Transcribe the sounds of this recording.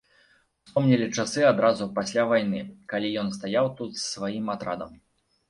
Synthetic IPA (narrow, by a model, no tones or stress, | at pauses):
spɔmnʲilʲit͡ʂasɨad̪ɾazupasʲlʲavajnɨkalʲijɔnst̪ajawt̪ut̪ssvajimat̪ɾa̰d̪ɐm